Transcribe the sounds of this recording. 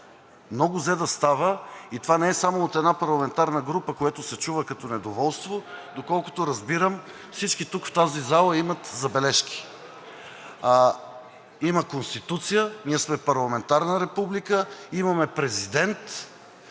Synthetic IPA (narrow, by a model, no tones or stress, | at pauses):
mnɔɡʊzɛd̪ɐst̪avəit̪ovanɛɛsamoːt̪ɛd̪napɐɾlˠɐmɛnt̪aɾnəɡɾupəkojɛt̪ʊsɛt͡ʃuvəkɐt̪ɔnɛd̪ovɔlˠst̪vod̪okɔlˠkʊ̥t̪oɾɐzbiɾəm | fsit͡ʃkit̪ukft̪azizalˠəimɐt̪zɐbɛlɛʃkʲi̥ | iməkonst̪it̪ut̪sijəniəsmɛpɐɾlˠɐmɛnt̪aɾnəɾɛpublikəimɐmɛpɾɛzid̪ɛnt̪